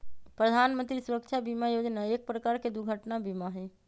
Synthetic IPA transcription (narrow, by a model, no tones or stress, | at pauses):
pɾəd̪ʱaːnmə̃nt̪ɾisʊɾəkʃʰabimajoːd͡ʒnaeːk̚pɾəkaːɾked̪uɡʱəʈnabimaɦɛ